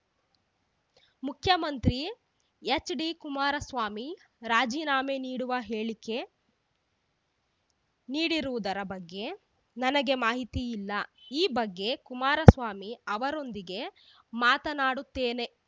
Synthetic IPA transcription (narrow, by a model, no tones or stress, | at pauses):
mukʰjɐmɐnt̪ɾi | et͡ʃːɖikumaːɾɐsʋaːmi | ɾaːd͡ʒiːnaːmeniːɽuʋɐɦeːɭikːe̞ | niːɽiɾuʋud̪ɐɾɐbɐɡːe̞ | nɐnɐɡe̞maːɦit̪iilːɐiːbɐɡːe̞kumaːɾɐsʋaːmiɐʋɐɾo̞nd̪iɡe̞ | maːt̪ɐnaːɽut̪ːeːne̞